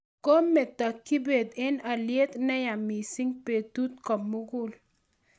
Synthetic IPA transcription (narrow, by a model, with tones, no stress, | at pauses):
ko˦mɛ˨t̪a˨kːi˦be˨d̪ɪ˦na˨lje˦t̪nɛ˦ja˨mi˨si˦ŋpe˨t̪u˦t̪kɔ˨mːʊ˦ɡʊ˦˨l